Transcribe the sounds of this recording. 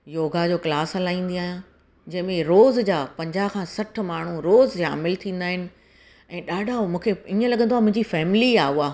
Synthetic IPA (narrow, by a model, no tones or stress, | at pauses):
joːɡad͡ʑoːklaːsɦɐlaːĩːn̆d̪iaːɦjã | d͡ʑɐ̃ɦɪ̃mẽɾoːzd͡ʑaːpɐ̃ɲd͡ʑaːkʰãːsɐʈʰmaːɳ̤uɾoːza̰ːmɪlt̪ʰĩːn̆d̪aːɦɪnɪ̆ | ɛ̃ːɗaːɖʱamũːkʰeɪ̃ə̃lɐɠə̃nd̪oaːmʊ̃ɦɪ̃ɲd͡ʑifɛːmɪliaːuaː